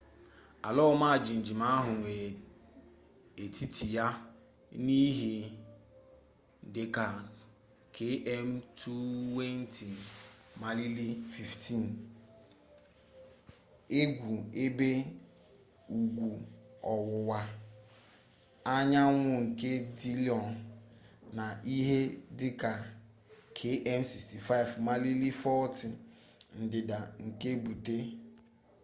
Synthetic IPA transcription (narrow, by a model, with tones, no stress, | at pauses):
a̰˨lɔ˦ma˦˨d͡ʒi˨n̩˨d͡ʒi˨ma˦ɦʊ˨ŋʷe˨ | e˨ti˦ti˨ja˦ | ni˦ɦi˨ | dɪ˨ka˨ | kʰe˦ʔe˦m̩˦tʰu˦we˦n̩˦ti˨ | ma˨li˦li˦fi˨fti˦˨n˨ | e˦ɡʷu˨e˦be˦ | u˨ɡʷu˨ | ɔ˨wʊ˨wa˦ | a˦ɲa˦ŋʷʊ˦ŋ̩˨ke˦di˦li˨ɔ˨n | na˨ʔi˦ɦe˦dɪ˦ka˨ | kʰe˦ʔɛ˦nsi˨sti˨fa˦ɪ˨vma˨li˦li˦fɔ˦ti˨ | n̩˨dɪ˨da˨ŋ̩˨ke˦bu˨te˦